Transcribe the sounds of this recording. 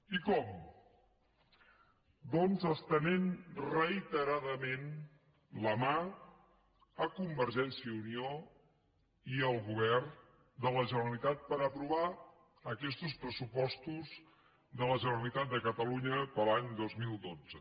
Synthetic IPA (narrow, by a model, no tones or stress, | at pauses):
ikɔm | d̪ɔnzəst̪ənenrəit̪əɾaðəmen | ləma | əkumbəɾʒɛnsiəunio | iəlˠɣuβ̞ɛrn | d̪ələʒənəɾəlit̪at̪̚pəɾəpɾuβa | əkɛst̪uspɾəsupɔst̪uz | ðələʒənəɾəlit̪at̪̚d̪əkət̪əluɲəpəlaɲd̪ozmilˠd̪od͡zə